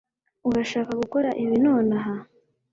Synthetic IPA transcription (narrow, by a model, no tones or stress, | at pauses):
uɡaʃaːkaɡuko̞ɾaʔiβinoːnaɦa